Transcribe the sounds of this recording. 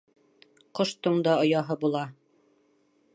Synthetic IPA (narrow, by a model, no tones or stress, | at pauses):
qŏʃt̪uɴd̪ɑŏjɑɦɤbulˠɑ